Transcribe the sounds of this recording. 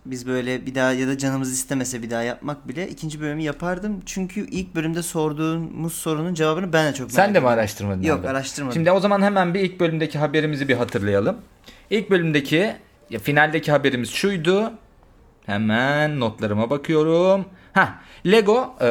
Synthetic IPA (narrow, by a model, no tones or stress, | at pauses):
bizbø̞jlʲɛbid̪aːjad̪ad͡ʒanɯmɯzist̪emesɛbid̪aːjap̚mak̚bilʲɛʔicʰind͡ʒibø̞lʲymyjapʰaɾd̪ɯmt͡ʃʰyɲcʰyʔilʲc̚bølʲymd̪ɛso̞ɾd̪uːnmuz̥so̞ɾunund͡ʒevaːbɯnɯbænd̪ɛt͡ʃʰo̞k̚mænd̪emiaɾaʃt̪ʰɯɾmad̪ɯmjokaɾaʃt̪ʰɯɾmaʃimd̪io̞zamanɦemænbiilʲc̚bø̞lʲymd̪e̞cʰiɦabe̞ɾimizibiɦat̪ʰɯɾlˠajalˠɯm | ilʲc̚bø̞lʲymd̪ecʰi | jafinalʲd̪ecʰiɦabe̞ɾimiz̥ʃujd̪ʊ | hemænːo̞t̪lˠaɾɯmabakʰɯjo̞ɾumhɛlʲeɡo̞